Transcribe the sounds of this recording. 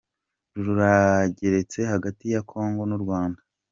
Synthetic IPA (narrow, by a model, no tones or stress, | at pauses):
ɾuɾuɾaɟe̞ɾe̞t͡se̞haɡatijakʰo̞ːŋɡo̞nuɾɡwaːnda